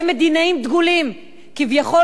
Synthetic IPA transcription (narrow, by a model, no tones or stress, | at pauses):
med̪inaimd̪ɡulim | kivjaχo̞